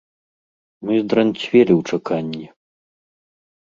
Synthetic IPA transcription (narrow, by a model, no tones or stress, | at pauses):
mɨzd̪ɾɐnʲt͡sʲvʲelʲiwt͡ʂɐkanʲːi